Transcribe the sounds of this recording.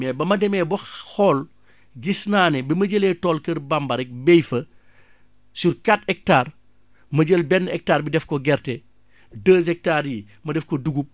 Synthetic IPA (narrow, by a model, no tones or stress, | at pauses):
ɛbɐmɐdɛmɛːbɐxɔl | ɡisnaːnɛbimɐɟəlɛtɔːlkɐɾbambɐɾɛk̚bɛjfɐ | surkatɛk̚taːr | mɐɟəlbɛnːɛk̚taːɾbidɛfkɔɡɛɾtɛ | dəːzɛk̚taːɾji | mɐdɛfkɔduɡup̚